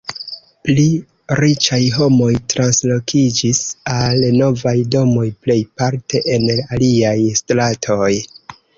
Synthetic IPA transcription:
pli | ɾit͡ʃajɦo̞mo̞jtɾanslo̞kʰid͡ʒisalno̞vajdo̞mo̞jple̞jpaɾtʰe̞ʔenaliajstɾatʰo̞j

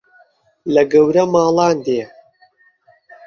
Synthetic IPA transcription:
lɐɡɐwɾɐmɑːlˠɑːnd̪eː

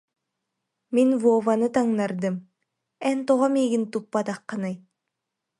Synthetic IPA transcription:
minvuɔvanɯt̪aŋnaɾd̪ɯm | ɛnt̪ɔʁɔmiːɡint̪upːat̪aqːanɯj

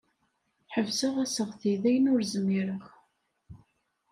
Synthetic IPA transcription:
ħəvsəʁæsəʁθiðæjənʊɾzəmːiɾəχ

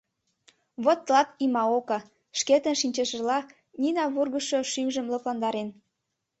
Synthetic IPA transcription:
βot̪ːlɑpimɑokɑ | ʃket̪ənʃinʲt͡ɕeʃə̆lɑ | nʲinɑβurɣəʃoʃymʒəmlɤ̆plɑnd̪ɑɾen

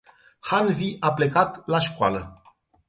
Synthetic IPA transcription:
halviʔaple̞kat̪laʃkwa̰lə

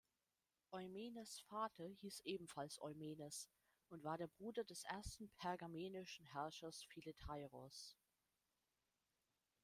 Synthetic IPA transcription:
ʔɔʏmeːnəsfaːtʰɐhiːsʔeːbm̩falsʔɔ̰ʏmeːnəs | ʊntv̥aːɐɾeːɐbʁuːdɐdɛsʔeːɐstn̩pʰɛɐɡameːnɪʃn̩ɦɛɐʃɐsfiletʰaɪʁɔs

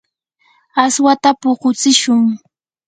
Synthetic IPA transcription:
aswat̪apoqʊt͡sɪʃʊŋ

